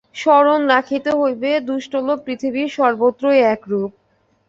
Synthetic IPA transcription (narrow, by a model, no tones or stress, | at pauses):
ʃɔɾonɾakʰit̪oɦojbed̪uʃʈolopɾit̪ʰibiʃɔɾbot̪ːɾoeɛkɾup̚